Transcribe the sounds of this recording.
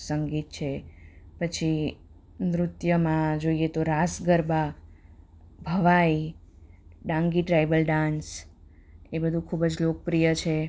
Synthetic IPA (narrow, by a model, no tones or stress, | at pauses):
səŋɡit̪̚t͡ʃʰepət͡ʃʰi | mɾʊt̪jəmãd͡ʒoiet̪oɾasɡəɾba | bʱəʋai | ɖãŋɡiʈɾajbəlɖãns | ebəd̪ʱũkʰubəd͡ʒlokəpɾijət͡ʃʰe